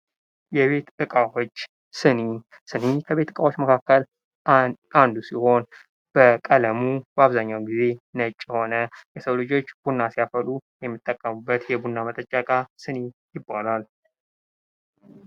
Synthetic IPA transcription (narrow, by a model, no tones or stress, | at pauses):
jɛβe̞t̪ɨkʼawot͡ʃː | sɨni | sɨnikʰəβe̞t̪ːɨkʼawot͡ʃːməkʰakːəl | and̪usiho̞n | b̥əkʼələmubəaβzaɲːawɡize̞nət͡ʃʼːho̞nəjɛsəwlɨd͡ʒo̞t͡ʃːb̥unːasijafəlujɛmːɨt̪ʼːəkʼːəmɨbːət̪jɛbunːamət̪ʼət͡ʃʼːakʼasɨnijɪbːalal